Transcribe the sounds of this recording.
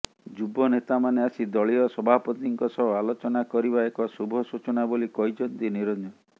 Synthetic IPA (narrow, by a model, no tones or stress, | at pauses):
d͡ʒubɔnet̪amaneasid̪ɔɭiɔsɔbʱapɔt̪iŋkɔsɔbɔalot͡ʃɔnakɔɾiβaekɔsubʱɔsut͡ʃɔnabolikɔjd͡ʒɔnt̪iniɾɔnɔ